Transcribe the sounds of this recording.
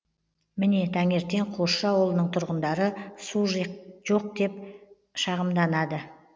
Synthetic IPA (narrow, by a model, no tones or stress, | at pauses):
mɪne̞t̪ʰæŋe̞ɾt̪e̞ɴqʰoʃʃɑwolˠənəɴt̪ʰʊɾʁənd̪ɑɾəsuʒʒ̥o̞q̚d̪e̞p | ʃɑʁəmd̪ɑnɑd̪ə